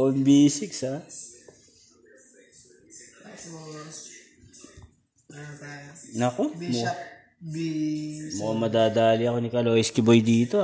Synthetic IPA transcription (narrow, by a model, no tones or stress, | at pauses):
ʔɐnbiːsɪksa | t̪ajnɐkomo | b | momɐd̪aːd̪aːlɪɐko̞nɪkɐlo̞ːʔɪskɪbojd̪iːt̪o